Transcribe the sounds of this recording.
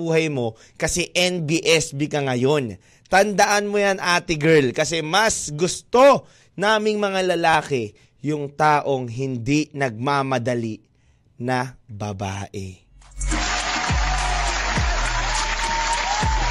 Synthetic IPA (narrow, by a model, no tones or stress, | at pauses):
uːhɐjmo̞ | kɐsɛʔɛnbiʔɛsbikɐŋɐjo̞n | t̪ɐnd̪ɐʔanmojanʔaːt̪ɪɡɛɹlkɐsɛmɐsɡʊst̪o̞ | naːmɪŋmɐŋalɐlaːkɛ | jʊŋt̪aːʔo̞ŋɦɪnd̪inɐɡ̚mamɐd̪ɐliʔ | nɐbɐba̰ːʔɛ̰